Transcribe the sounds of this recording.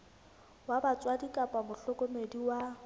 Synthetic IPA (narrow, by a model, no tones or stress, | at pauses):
wabat͡sʼwadikʼapʼamʊɬɔkʼɔmediwa